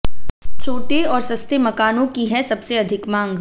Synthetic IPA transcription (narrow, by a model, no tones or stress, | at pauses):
t͡ʃʰoːʈeɔːɾsɐst̪ʰemɐkaːnõkiɦɛsɐbseɐd̪ʱɪkmãːŋɡ